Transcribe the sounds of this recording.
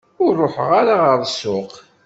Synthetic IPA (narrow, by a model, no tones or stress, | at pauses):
ʊɾrˤːoħʁaɾaʁəɾˤsʊq